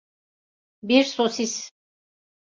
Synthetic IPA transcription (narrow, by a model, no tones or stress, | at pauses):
biɾsosis